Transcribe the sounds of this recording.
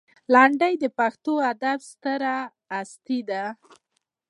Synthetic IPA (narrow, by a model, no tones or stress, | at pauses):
lɑɳɖəjd̪əpaxt̪oad̪abst̪əɾaː | st̪id̪a